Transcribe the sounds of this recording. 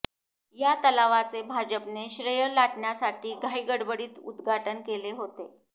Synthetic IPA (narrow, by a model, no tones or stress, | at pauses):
jat̪əlaʋat͡sebʱad͡ʑəpneɕɾəjəlaʈɳjasaʈʰiːɡʱaiɡəɽbəɽiːt̪ṵd̪ɡʱaʈənkeleɦot̪e